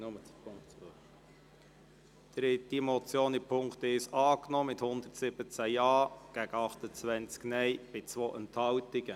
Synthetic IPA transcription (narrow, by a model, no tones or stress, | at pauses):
nʊməpʊŋkt͡sː | d̥ɾɪtimɔt͡sjoːnipʰʊŋkt̪ɪʃɑːknɔːmɪthʊnd̪ərtsɪb̥ət͡sæjɑːɡ̥æɡəɑχt̪ət͡sʋɛnt͡sknɛjb̥ɪt͡sʋoːʔənthɑwtɪɡ̥ə